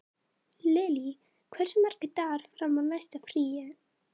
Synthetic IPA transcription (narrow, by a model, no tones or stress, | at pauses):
lɪːli | kʰvɛr̥sɛmːɛɾ̥cɪt̪aɾ̥fɾamːanajst̪afɾiːjɪ